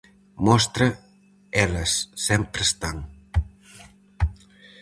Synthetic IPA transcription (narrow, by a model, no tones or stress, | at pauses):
mɔst̪ɾɐ | ɛləsːɛmpɾst̪aŋ